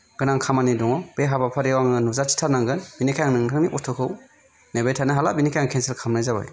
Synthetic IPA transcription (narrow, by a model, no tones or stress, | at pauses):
ɡ̥ɯnaŋkʰamanidɔŋɔb̥eɦabapʰaɾewaŋɯnuzat͡ʃi̥tʰaɾnaŋɡɯnbinikʰajaŋnɯŋtʰɯŋniʔɔtʰɔkʰɯw | nebajtʰanaɦalabinikʰjaŋkʰenselkʰamnajzaba̰j